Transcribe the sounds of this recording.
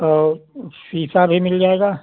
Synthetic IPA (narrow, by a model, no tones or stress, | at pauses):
osisɑrhimilːiɑikɑ